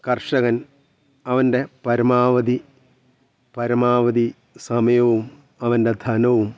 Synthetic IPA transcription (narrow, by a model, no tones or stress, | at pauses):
kɐrʂɐɣɐn | ɐʋɐnde̞pɐɾɐmaːʋɐd̪i | pɐɾɐmaːʋɐd̪i | sɐmɐjɐʋum | ɐʋɐnde̞d̪ʱɐnɐʋum